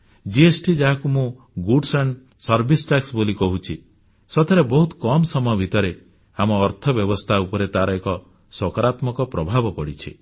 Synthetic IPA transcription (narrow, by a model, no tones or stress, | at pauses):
d͡ʒiesʈid͡ʒaɦakumũ | ɡuɖsaɳɖ | sɔɾbʱisʈaksbolikɔɦut͡ʃʰi | sɔt̪ʰaɾebɔɦut̪kɔmsɔmɔjɔbʱit̪ɔɾe | amɔːɾt̪ʰɔbjɔbɔst̪ʰaupɔɾet̪aɾɔekɔ | swɔkaɾat̪mɔkɔpɾɔbʱabɔpɔɽit͡ʃʰḭ